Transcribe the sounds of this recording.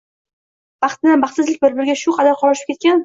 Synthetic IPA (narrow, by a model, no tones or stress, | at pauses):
b̥ɑχt̪ɪnanbɑχt̪sɪzlɪkʲbɪɾbɪɾɡʲaʃʊqʰɑd̪aɾqʰɒlˠɪʃɪp̚kʲe̞t̪̚kʲan